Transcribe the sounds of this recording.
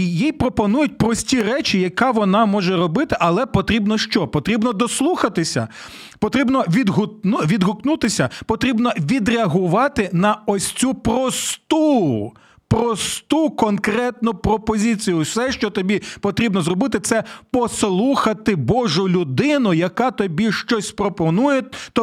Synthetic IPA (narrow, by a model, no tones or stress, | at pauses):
ijijpɾɔpɔnujʊt̚ʲpɾɔsʲtʲirɛt͡ʃijɐkɑʋɔnɑmɔʒɛɾɔbɪt̪ɪʔɐlˠɛpɔt̪ɾʲibnɔʃt͡ʃɔpɔt̪ɾʲibnɔd̪ɔslˠuxɐt̪ɪsʲɐ̰ | pɔt̪ɾʲibnɔʋʲid̪ɦʊtnuʋʲid̪ɦʊknut̪ɪsʲɐpɔt̪ɾʲibnɔʋʲid̪ɾʲeɐɦʊʋɑt̪ɪnɐɔsʲt͡sʲupɾɔst̪u | pɾɔst̪ukɔnkɾɛt̪nʊpɾɔpɔzʲit͡sʲijʊsɛʃt͡ʃɔt̪ɔbʲipɔt̪ɾʲibnɔzrɔbɪt̪ɪt̪sɛpɔslˠuxɐt̪ɪbɔʒʊlʲʊd̪ɪnʊjɐkɑt̪ɔbʲiʃt͡ʃɔsʲpɾɔpɔnujet̪ɔ